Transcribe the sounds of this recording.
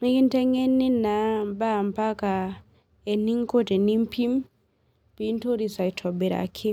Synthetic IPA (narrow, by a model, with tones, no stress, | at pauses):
ni˦ɡi˦ntɛ˦ŋe˦nːi˦na˨mba˦˨mpa˦ka˨ | e˨ni˦ŋko˦te˨ni˦mpʰi˦m | pi˦nto˦ɾi˨sa˨i˨tʰɔ˨be˨ɾa̰˨kʰi˦